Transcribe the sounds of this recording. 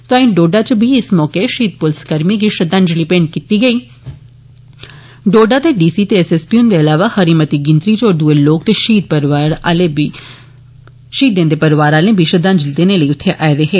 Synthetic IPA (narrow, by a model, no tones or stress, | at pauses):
t̪aːĩɖoːɖaːt͡ʃəbiɪsmɔːkeʃiːt̪̚pʊlskəɾmiɡiʃəd̪ãːɲd͡ʒliːpẽːɳɖ̚kiːt̪iːɡəiː | ɖoːɖaːt̪eɖiːsiːt̪eɛseːspiʊnd̪eːɐlaːʋahəɾiːmət̪iɡɪ̃nt̪ɾit͡ʃoːd̪uːeloːkt̪eʃiːd̪̚pəɾaɾei | ʃiːt̪̚d̪ẽːnd̪eːpəɾʋaːɾaːlẽːbʱiʃəd̪ãːɲd͡ʒlid̪eːneləiːʊt̪ʰːeʔɛːɾeːɦeː